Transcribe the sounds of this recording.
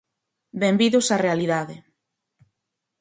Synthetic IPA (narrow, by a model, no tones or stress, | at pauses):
bembiðʊsarealiðaðe